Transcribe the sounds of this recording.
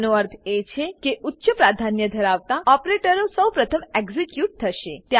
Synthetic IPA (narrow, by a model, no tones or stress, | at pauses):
nuəɾb̪ʱet͡ʃʰekeʔutːʃəpɾad̪ʱanjəd̪ʱəɾaʋt̪aɔpɾeʈəɾõsəwpɾət̪ʰəmeɡzikjuʈ̚t̪ʰəʃḛt̪ja